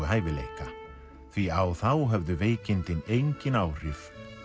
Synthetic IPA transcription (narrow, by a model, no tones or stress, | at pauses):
ʏɦaːjvɪlḛːjka | θviawθawɦɛvðʏveːjcɪnt̪ɪnejɲcɪnaːwr̥ɪf